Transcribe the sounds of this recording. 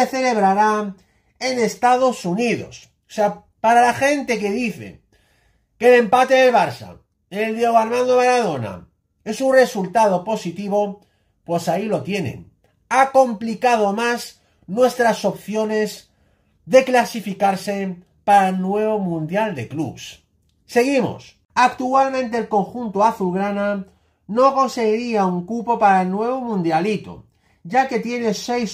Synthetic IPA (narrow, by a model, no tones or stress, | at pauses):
eθe̞le̞β̞ɾaɾa | ene̞st̪að̞o̞suniðo̞̰s | sea | paɾalaxe̞nt̪e̞ke̞ðiθe̞̰ | ke̞le̞mpat̪eðe̞lβaɾsa̰ | eld̪jeɣoaɾmãnd̪oβaɾaðo̞na̰ | e̞sunre̞sult̪að̞o̞po̞sit̪iβ̞o̞ | pwe̞sailo̞t̪je̞ne̞̰n | ako̞mplikað̞o̞mas | nwe̞st̪ɾaso̞pθjo̞ne̞z | ðe̞klasifikaɾse̞ | paɾaelnwe̞βo̞mũnd̪jald̪e̞klṵβs | se̞ɣ̞imo̰s | akt̪ualmẽnt̪̬e̞ːlko̞ŋxunt̪oaθulɣɾana | no̞ko̞nse̞ɣiɾiauŋkupo̞paɾaelnwe̞β̞o̞mũnd̪jalit̪o̰ | ɟ͡ʝake̞t̪je̞ne̞se̞js